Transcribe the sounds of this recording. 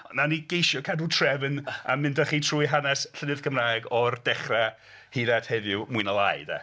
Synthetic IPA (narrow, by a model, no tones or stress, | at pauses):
ɔnnaniɡ̥ejʃjɔkʰadutʰrɛvna̰mɪndaχiːtʰruːjɦanɛsɬənɨðɡʰəmraːɛɡɔrd̥ɛχra | hiːðathɛvʊmuɨnəlˠaɨda̰